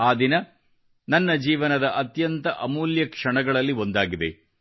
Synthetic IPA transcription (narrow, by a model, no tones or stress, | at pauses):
aːd̪inɐ | nɐnːɐd͡ʒiːʋɐnɐd̪ɐʔɐt̪jɐnt̪ɐʔɐmuːljɐkʂɐɳɐɡɐɭɐlːio̞nd̪aːɡid̪e̞̰